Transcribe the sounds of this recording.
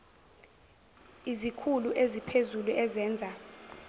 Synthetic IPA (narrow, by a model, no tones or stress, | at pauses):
izikʰuluʔezipʰezuluɛzɛːnd͡zʱa